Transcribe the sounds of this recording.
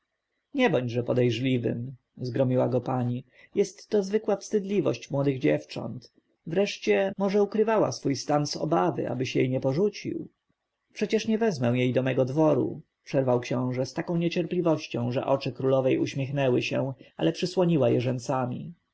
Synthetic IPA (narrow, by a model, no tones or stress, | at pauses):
ɲɛbɔɲd͡ʑʐɛpɔd̪ɛjʐlʲivɘ̰m | zɡɾɔmʲiwaɡɔpaɲi | jɛst̪ːɔzvɘkwafst̪ɘd̪lʲivɔ̰ɕt͡ɕmwɔd̪ɘɣd͡ʑɛft͡ʂɔ̰nt̪ | vɾɛʂt͡ɕɛmɔʐɛukɾɘvawa̰sfujst̪anzɔ̰bavɘ̰ʔa̰bɘɕjɛ̰jɲɛpɔʐut͡ɕḭw | pʂɛt͡ɕɛʂɲɛvɛzmɛw̃jejd̪ɔmɛɡɔd̪vɔɾṵ | pʂɛɾvawkɕɔ̃w̃ʐɛst̪akɔ̃w̃ɲɛt͡ɕɛɾplʲivɔɕt͡ɕɔ̃w̃ʐɛ̰ʔɔt͡ʂɘkɾulɔvɛjuɕmʲɛxnɛwɘɕɛ̃ʔa̰lɛpʂɘswɔɲiwajɛʐɛnt̪samʲḭ